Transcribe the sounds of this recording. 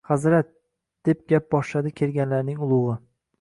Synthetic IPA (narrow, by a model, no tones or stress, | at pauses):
χazɾat̪̚ | d̪̥e̞p̚ɡʲap̚bɒʃlad̪ɪkʲʰe̞lɡʲanlaɾnɪŋʊlˠʊʁɨ